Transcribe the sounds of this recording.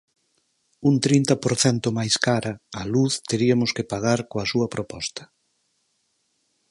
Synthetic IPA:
unt̪ɾint̪ɐpoɾθɛnt̪ʊmajskaɾɐaluθt̪eɾiɐmʊskɪpaɣaɾkoɐsuɐpɾopɔst̪ɐ̥

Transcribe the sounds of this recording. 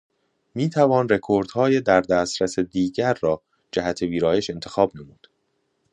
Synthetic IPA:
miːt̪ʰævɒːnre̞kʰoɾd̪̥hɒːjed̪æɾd̪æst̪ɾæsed̪iːɟæɾːɒː | d͡ʒæhæt̪ʰe̞viːɾɒːje̞ʃe̞nt̪ʰexɒːbnemuːd̪̥

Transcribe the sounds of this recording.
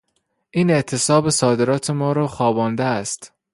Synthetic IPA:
ʔiːne̞ʔt̪ʰe̞sɒːbesɒːd̪eɾɒːt̪ʰe̞mɒːɾɒːxɒːbɒːnd̪eæst̪

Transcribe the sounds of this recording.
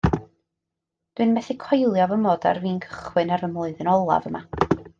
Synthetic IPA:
d̥wɨnmɛθɪkʰɔjlˠjɔvəmɔːda̰rviːnkʰə̥χwɨnaɾəmlˠʊɨðɨnɔlˠa̰vəma

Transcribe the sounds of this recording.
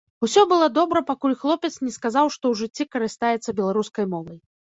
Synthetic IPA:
usʲɔbɨlˠɔd̪ɔbɾɐpakulʲxlˠɔpʲɛt̪snʲɛskazawʂt̪ɔwʐɨt͡sʲːikɐɾɨst̪ajɛt̪sɐbʲɛlˠaɾuskɐjmɔvɐj

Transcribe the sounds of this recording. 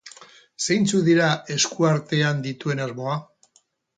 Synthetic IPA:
sejnt͡suðiɾae̞skuaɾt̪e̞and̪it̪ue̞nazmo̞a

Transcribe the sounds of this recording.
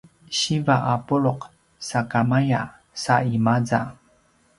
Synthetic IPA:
ɕivaʔapuɭoq | sakamaja | saimad͡za

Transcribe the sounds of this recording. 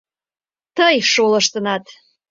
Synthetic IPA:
t̪əjʃolə̆ʃt̪ənɑt̪

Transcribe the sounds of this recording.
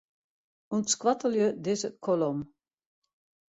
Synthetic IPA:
untskwatəljødɪsət̚kʰɔlɔm

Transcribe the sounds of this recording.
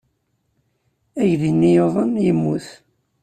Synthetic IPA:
æʝðinːijoðˤənjəmːuθ

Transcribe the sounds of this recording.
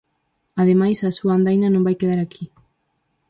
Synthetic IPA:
aðemajsasuand̪ajnano̞mbajt̪eðaɾaki

